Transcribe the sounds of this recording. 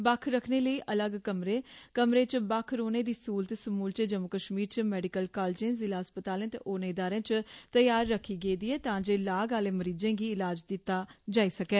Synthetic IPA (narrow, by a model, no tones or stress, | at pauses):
bəkʰɾəkʰneːləiːʔələɡkəmɾeːkəmɾeːt͡ʃbəkʰɾoːneːd̪iːsuːlt̪səmuːlt͡ʃed͡ʒəmʊkəʃmiːɾt͡ʃəmɛːɖɪkəlkaːld͡ʒẽːzɪlaːəspət̪aːlẽːt̪ḛːʔoːnẽːɪd̪aːɾẽːt͡ʃt̪əjaːɾːəkʰːiːɡeid̪iːɛːt̪ãːd͡ʒeːlaːɡaːleːməɾiːd͡ʒẽːɡiːɪlaːd͡ʒd̪ɪt̪ːaːd͡ʒaːiːsəkɛː